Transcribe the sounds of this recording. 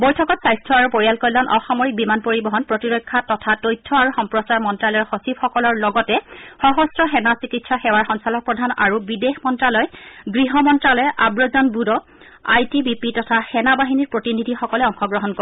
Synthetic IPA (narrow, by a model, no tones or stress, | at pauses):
bojtʰɔkɔtsajstʰɹɔaɹupoɹijalkɔjlɔnʔɔxɔmɔɹik̚bimanpoɹibɔɦɔnpɹotiɹɔjkʰːatɔtʰatojtʰːɔaɹuxɔmpɹɔsaɹmɔntɹalɔɹxɔsibxɔkɔlɔɹlɔɡɔtɛxɔɦɔstɹɔxɛnasikitsɔxɛwaɹxɔnsalɔk̚pɹɔdʱana̰ɹubidexmɔntɹalɔjɡɹiɦɔmɔntɹalɔjʔabɹɔzɔnbudɔ | ajtibipitɔtʰaxɛnabaɦiniɹpɹotinidʱixɔkɔlɛɔŋxɔɡɹɔɦɔnko